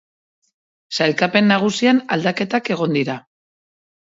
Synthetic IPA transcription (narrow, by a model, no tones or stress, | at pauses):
sajlkape̞nːaɣ̞usianald̪ake̞t̪ake̞ɣ̞o̞nd̪iɾa